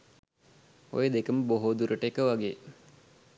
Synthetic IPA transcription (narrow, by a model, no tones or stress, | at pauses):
o̰jəd̪ekəməboɦod̪uɾəʈəekəʋaɡeː